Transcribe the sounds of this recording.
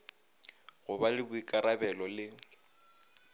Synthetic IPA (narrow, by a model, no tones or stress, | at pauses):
ɣʊbalɪbʊikʼaɾabɛlɔlɪ